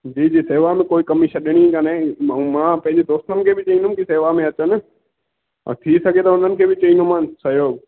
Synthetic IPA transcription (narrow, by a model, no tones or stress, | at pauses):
d͡ʑiːd͡ʑiːseːʋamẽkoːikɐmiʃɐɗɪɽ̃ikanẽmãːpɐ̃ɦɪ̃ɲd͡ʑed̪oːst̪ənɪ̆kʰeːbɪt͡ɕɐĩnd̪ʊmkiseːʋamẽɐt͡ɕənɪ̰̆ | t̪ʰisɐɡʱet̪ɐʊn̤ənɪ̆kʰeːbɪt͡ɕɐĩːnd̪umãːsɐɦjoːɡ